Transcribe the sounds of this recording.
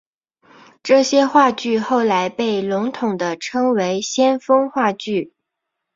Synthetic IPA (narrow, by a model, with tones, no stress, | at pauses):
ʈ͡ʂɤ˥˩ɕjɛ˥xwa˥˧t͡ɕy˥˧xo˥˩ʊla˧˥ɪpe˥˩ɪlʊ˧˥ŋt̪ʰʊ˨˩ŋd̪ə˦ʈ͡ʂʰɤ˥ŋwe˧˥ɪɕjɛ˥nfɤ˥ŋxwa˥˧t͡ɕy˥˩